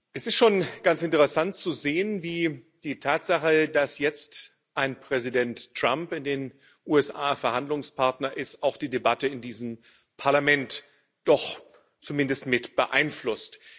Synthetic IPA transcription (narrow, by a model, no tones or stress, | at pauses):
ʔɛsɪstʃoːnɡ̥ant͡sɪntəʁəsant̚t͡suzeːənviː | d̥iːtʰaːtz̥aχədasjɛt͡st | ʔaɪnpʁ̥ɛzidɛntʁ̥ampɪndeːn | ʔuːɛsʔa̰ːfɛɐhandlʊŋspʰaɐtnɐʔɪstaʊxd̥iːdebatəɪndiːzəm̩ | pʰaɐlamɛnt | d̥ɔχ | t͡sumɪndəstmɪtb̥əʔa̰ɪnflʊst